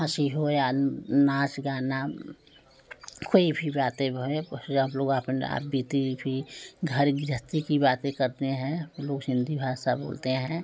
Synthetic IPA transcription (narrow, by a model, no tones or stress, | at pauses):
ãːʃiɦoeanãːsɡaːna | koːibʱibaːt̪ẽboemloːɡapna̰biːt̪ibʱiɡʱəɾɡɾət̪ikibaːt̪ẽkəɾt̪eɦɛ̃loːɡsɪ̃nd̪ʱibʱaːsabo̰ːlt̪eɦɛ̃ː